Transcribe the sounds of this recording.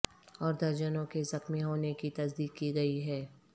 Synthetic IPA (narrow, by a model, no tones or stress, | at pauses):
ɔːɾd̪ɐɾd͡ʒənõkezɐxmiɦoːnekit̪ɐsd̪iːkkiɡɐiɦɛː